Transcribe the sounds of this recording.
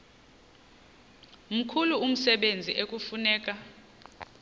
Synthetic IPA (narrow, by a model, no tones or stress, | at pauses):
m̩kʰuluum̩sɛɓend͡zʱiʔek̬ʼufunɛːk̬ʼa